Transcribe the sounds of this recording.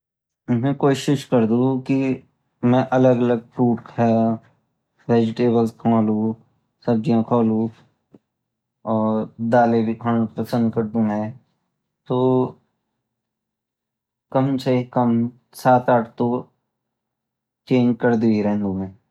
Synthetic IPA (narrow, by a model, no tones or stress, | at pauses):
ʊmɦẽkoːʃɪʃkɐɾd̪ũki | mɛ̃ʔɐləɡɐləɡ̚fɾuːʈkɦɛ | ʋeːd͡ʒɪʈeːbəlskʰaːlũ | sɐbd͡ʒijãkʰoːlũ | ɔːɾɾd̪aːlebikʰaːɽpɐsə̃nd̪̚kɐɾd̪ũmɛ̃ | t̪oː | kɐmseikəm | saːt̪aːʈʰt̪o | t͡ʃeːɲd͡ʒkəɾd̪ũiɾɛɦnd̪ũmɛ̃ː